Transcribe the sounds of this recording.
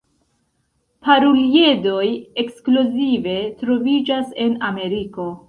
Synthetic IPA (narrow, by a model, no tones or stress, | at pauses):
paɾulie̞do̞je̞kskluzive̞tɾo̞vid͡ʒase̞name̞ɾiko̞